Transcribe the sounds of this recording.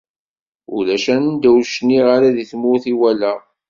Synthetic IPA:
ʊlæʃænənd̪æwʃniʁaɾaðiθmʊɾθiwælæ

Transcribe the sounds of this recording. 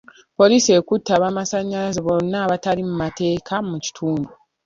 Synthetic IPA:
po̞liːsie̞kutːaβamasaɲːalazeβonːaːβatalimumate̞ːkʰamuci̥tʰuːndu

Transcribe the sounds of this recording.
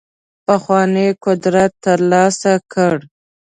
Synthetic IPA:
paxwɑnekʊd̪ɾat̪ːəɾlɑsakəɽ

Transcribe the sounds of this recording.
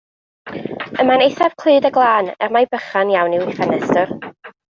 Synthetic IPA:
əmanejθav̥kʰl̥ˠɨːdəɡlˠaːnɛ̰rmajbəχanjawniwɪfanɛstʊr

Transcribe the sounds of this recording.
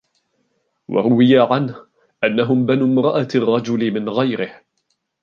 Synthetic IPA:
wʔɑ̰ɾˤʊwɪjaʕanh | ʔanːaɦʊmbanuːmɾˤɑʔarˤːɑd͡ʒʊlɪmɪnɣajɾɪh

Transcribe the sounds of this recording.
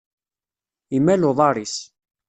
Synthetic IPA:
imːæloðˤɑɾis

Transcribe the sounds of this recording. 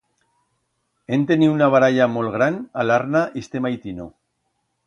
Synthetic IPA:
ent̪eniunaβ̞aɾaʎamo̞lɣɾanalaɾnaʔist̪e̞majt̪ino

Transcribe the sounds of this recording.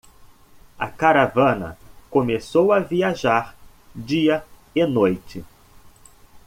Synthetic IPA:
ɐ̰kaɾavɐ̃nɐ̰komesowɐviaʒaɾ | d͡ʒiɐ | enojt͡ʃɪ

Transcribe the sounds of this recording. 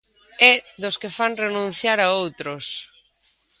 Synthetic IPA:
ɛðʊskefaŋrenũn̟θjaɾaowt̪ɾʊs

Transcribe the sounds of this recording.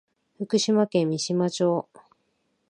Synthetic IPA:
ɸɯ̟kɯ̟ɕimakẽ̞mʲːiɕimat͡ɕo̞ː

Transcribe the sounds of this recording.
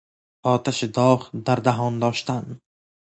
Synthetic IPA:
ɒːt̪ʰaʃid̪ɒχd̪aɾd̪aɦɒnd̪ɒːʃt̪an

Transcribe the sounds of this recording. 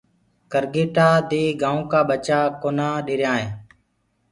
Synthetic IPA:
kəɾɡeːʈaːd̪eːɡãːũːkaːɓət͡ʃaːkoːnãːɗeːɾjãːɦẽː

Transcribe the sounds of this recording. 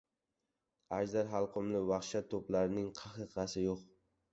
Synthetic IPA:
ad͡ʒzd̪aɾɦɑlˠqʰʊmlɪvɑχʃat̪ʰːoplaɾɪnɪŋqʰɑqɨqʰɑsɪjoq

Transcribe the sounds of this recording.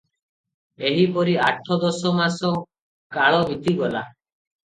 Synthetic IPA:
eɦipɔɾiaʈʰɔd̪ɔsɔmasɔ | kaɭɔbʱit̪iɡɔla̰

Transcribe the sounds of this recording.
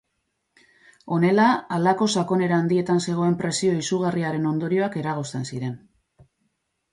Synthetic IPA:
o̞ne̞laalako̞sako̞ne̞ɾaːnd̪ie̞t̪anse̞ɣ̞o̞e̞mpɾe̞sio̞isuɣ̞ariaɾe̞no̞nd̪o̞ɾio̞ake̞ɾaɣ̞o̞st̪e̞nsiɾe̞n

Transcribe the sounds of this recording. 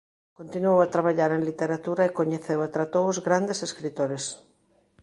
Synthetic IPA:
kont̪inuowat̪ɾaβaʎaɾẽŋlit̪eɾat̪uɾɐekoɲeθewat̪ɾat̪owzɣɾand̪eseskɾit̪oɾes

